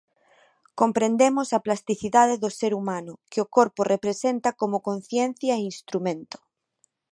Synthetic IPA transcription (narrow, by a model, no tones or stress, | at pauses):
kompɾẽnd̪emosaplast̪iθiðaðeðoseɾumãnʊkeokoɾporepɾesent̪akomokõnθjẽn̟θjaeinst̪ɾumẽnt̪o̥